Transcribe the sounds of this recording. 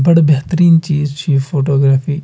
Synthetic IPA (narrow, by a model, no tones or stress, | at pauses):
bɐɽbɛɦt̪əɾiːnt͡ʃiːzt͡ʃʰiːfʰoːʈoːɡɾaːfiː